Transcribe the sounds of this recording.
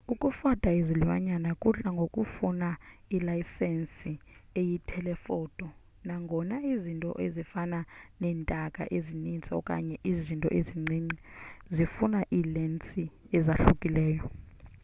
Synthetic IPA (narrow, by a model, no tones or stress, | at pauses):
ukʼufadʰʼʱaiziluwa̰ɲanakʼuɬaŋɡʱokʼufunailaisɛnsiejitʰɛlɛfɔːd̥ʼɔ | naŋɡʱɔnaizintʼɔ̰ʔezifananɛːntʼakʼa̰ʔezinint͡sʼaɔkʼa̰ɲɛʔizintʼɔ̰ʔeziŋ͡ǀiŋ͡ǀizifunaʔiːlɛnt͡sʼi | ɛzaɬukʼilɛːjɔ